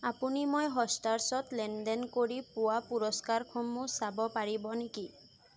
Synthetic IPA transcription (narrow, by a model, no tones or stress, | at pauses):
apunimojɦɔstaɹsɔtlɛndɛnkoɹipʊwapuɹɔskaɹkʰɔmʊsabɔpaɹibɔneki